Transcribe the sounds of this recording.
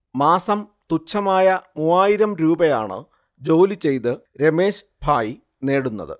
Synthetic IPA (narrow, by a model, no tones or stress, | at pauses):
maːsɐmt̪ut͡ɕʰːɐmaːjɐmuːaːjiɾɐmɾuːbɐja̰ːɳɨ̰ | d͡ʑo̞ːlit͡ɕe̞jt̪ɨ | ɾe̞me̞ːɕ | bʱaːji | ne̞ːɽunːɐ̰ðɨ̰